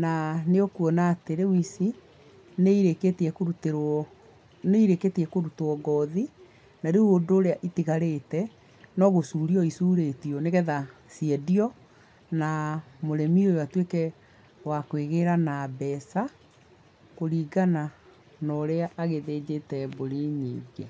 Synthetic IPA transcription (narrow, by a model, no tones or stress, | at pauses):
naneokwɔnaːteɾewisi | neiɾeketeɛkoutɾ | neiɾeketiɛkoɾutoɔɡɔði | naɾeuodoːɾeaʔitiɣaɾetɛ | nɔɣosuːɾiɔisuːɾetiɔneɣɛðasiɛdiɔ | namoɾɛmiojoatwekɛ | wakweɣeɾanabɛsa | koɾiːɡana | nɔɾeaʔːɣeðed͡ʑetɛboɾiɲḭːɡe